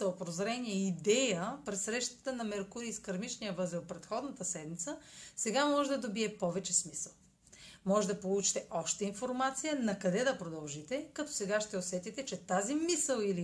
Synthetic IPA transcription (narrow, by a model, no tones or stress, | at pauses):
əopɾozɾɛniɛid̪ɛjəpɾɛsɾɛʃt̪ə̥t̪ənɐmɛɾkʊɾiːskɐɾmit͡ʃnijəvɤzipɾɛt̪xɔd̪nət̪əsɛd̪mit̪səsɛɡamɔʒɛd̪ɐd̪obiɛpɔvɛt͡ʃɛsmisəlˠ | mɔʒɛd̪ɐpolˠut͡ʃi̥t̪ɛʔɔʃt̪ɛinfoɾmat̪sijənɐkɐd̪ɛd̪ɐpɾod̪ɐlˠʒit̪ɛkɐt̪ɔ̥sɛɡaʃt̪ɛosɛt̪it̪ɛt͡ʃɛt̪azimisəlˠili